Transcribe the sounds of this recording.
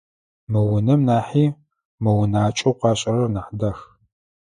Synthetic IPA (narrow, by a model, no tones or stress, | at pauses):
mɨwʊnɐmnaːħiː | mɐwʊnaːt͡ʃʼowqɑːɕʼɐrɐrnɐħdɐx